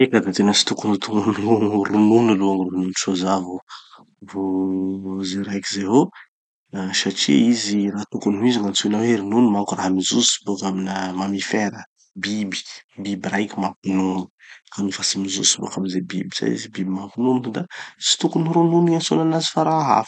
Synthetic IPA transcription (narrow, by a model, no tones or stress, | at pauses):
ekad̪at̪enəsi̥t̪ukunut̪uŋununrununaloaŋrununʃozavu | vo | zeɾajkizeɦo | saʈ͡ʂḭiziraɦt̪ukunuiziŋant͡sunaweeɾinunumakuraɦamizusi̥bukaminəmamifeɾə | bibi̥bibiɾajkʲimampununu̥kanufasimizṵsibṵkamizebḭbi̥sa̰ḭzibibimampinunund̪at͡si̥t̪ukuniɾununiasonanazi̥faɾaɦa̰f